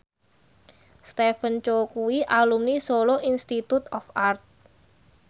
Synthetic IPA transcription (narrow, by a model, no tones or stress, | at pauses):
st̪efənt͡ʃokuwiʔalumnisoloʔinst̪it̪ut̪ɔfart̪̚